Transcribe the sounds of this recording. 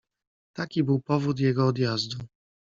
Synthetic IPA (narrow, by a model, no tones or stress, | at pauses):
t̪akʲibɘwpɔvut̪̬jɛɡɔːd̪jazd̪u